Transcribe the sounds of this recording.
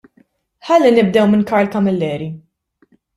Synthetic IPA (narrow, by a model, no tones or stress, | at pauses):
ħɐlːinɪb̚d̪ɛwmɪnkɐɾlkɐmɪlːɛːɾi